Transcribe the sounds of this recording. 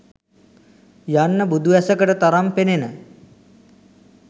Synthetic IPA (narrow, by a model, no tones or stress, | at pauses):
janːəbud̪ʱuʋɛsəkəʈət̪aɾampenenə